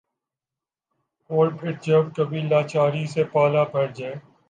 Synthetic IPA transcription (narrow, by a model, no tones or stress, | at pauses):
oːɾʈɪʈ̚d͡ʒəbkəbʱiːlaːt͡ʃaːɾiːseːpaːlaːbʱəɾd͡ʒaː